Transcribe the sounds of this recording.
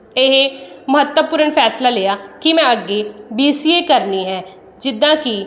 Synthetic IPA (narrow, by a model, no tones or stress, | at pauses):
eɦməɦət̪wəpʊɾənpʰɛːslaːleːaːkimɛ̃ːəɡːeːbiːsiːeːkəɾniːɦɛː | d͡ʒɪd̪ːãːki